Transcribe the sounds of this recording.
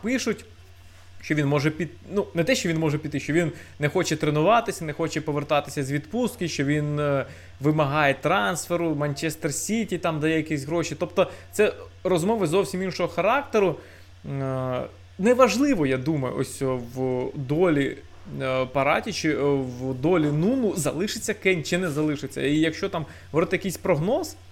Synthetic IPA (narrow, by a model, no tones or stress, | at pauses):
pɪʃʊtʲ | ʃt͡ʃɔʋʲinmɔʒɛpʲi | nunɛt̪ɛʃt͡ʃɔʋʲinmɔʒɛpʲid̪t̪ːɪʃt͡ʃɔʋʲinnɛxɔt͡ʃɛt̪ɾenʊʋɑt̪ɪsʲɐnɛxɔt͡ʃɛpɔʋert̪ɑt̪ɪ̥sʲɐzʋʲid̪pust̪kɪʃt͡ʃɔʋʲin | ʋɪmɐɦɑjɛt̪ɾɑnsfeɾʊmɐnʲt͡ʃɛst̪ersʲitʲit̪ɑmd̪ɐjɛjɐkisʲɦɾɔʃit̪ɔpt̪ɔt̪sɛ | rɔzmɔʋɐzɔwsʲiminʃɔɦɔxɐɾɑk̚t̪eɾʊ | nɛʋɐʒlˠɪʋɔjad̪umɐjʊ̰ʔɔ̰sʲɔʋd̪ɔlʲi | pɐɾɑ̰tʲit͡ʃɪʋd̪ɔlʲinunʊzɐ̰lˠɪʃɪt͡sʲːɐkɛnʲt͡ʃɪnɛzɐlˠɪʃɪt͡sʲːɐ̰ijɐkʃt͡ʃɔt̪ɑm | ʋɔt̪ɛjɐkijsʲpɾɔɦnɔz̥